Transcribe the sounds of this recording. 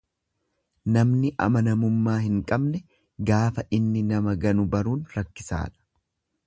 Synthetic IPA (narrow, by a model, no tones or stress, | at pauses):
nɐmnɪʔɐ̰mɐnɐmʊmːaːhɪŋkʼɐbnɛ | ɡaːfɐʔɪnːɪnɐmɐɡɐnʊbɐɾuːnɾɐkːɪsa̰ːᶑɐ̥